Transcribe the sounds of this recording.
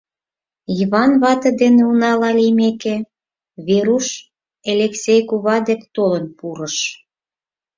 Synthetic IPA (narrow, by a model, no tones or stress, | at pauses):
iβɑnβɑt̪ɤ̆d̪eneunɑlɑlimeke | βeɾuʃ | elʲeksʲejkuβɑd̪ekt̪olənpuɾə̆ʃ